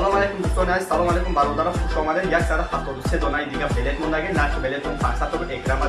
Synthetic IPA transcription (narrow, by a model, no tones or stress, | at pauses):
lˠɔmalejkumust̪ɔniaisːalˠɔmalˠejkumbaɾɔd̪aɾɔzχuʃɔmad̪ɛnjaksaɾaaft̪ɔd̪used̪ɔnajd̪iɡabelɛt̪mɔnd̪aɡennaɾtbelet̪ʰufʰasat̪ːɔɡekɾama